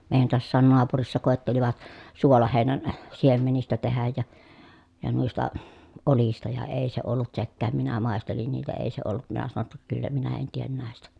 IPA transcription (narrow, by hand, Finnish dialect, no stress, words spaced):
meˑi̯jæn toɑsːɑːn noɑpurisːɑ koˑetːeliʋɑt suolɑheˑinæn siemenistæ tehæj jɑ jɑ nuistɑ olistɑ jɑ eˑi se olːut sekːæːm minæ mɑˑestelin niːtæ eˑi se olːut minæ sɑno tːɑ kylːæ minæ en tien næˑestæ